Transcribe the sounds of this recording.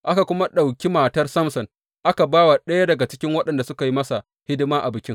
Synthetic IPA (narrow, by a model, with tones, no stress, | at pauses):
ʔa˦ka˨kʷʊ˦ma˦ɗa˨wkʲi˦maː˨tɐ˦rsɐ˦msɔ˨n | ʔa˦ka˨baː˦wa˨ɗɐ˦ja˦dɐ˨ɡa˨t͡ʃɪ̥˦kʲɪ˦ŋwɐ˦ɗɐ˨nda˨sʊ˦ka˨ji˦mɐ˦sa˨ | hɪ˦dɪ˦maː˦ʔa˨bɪ˨kʲɪ˦ŋ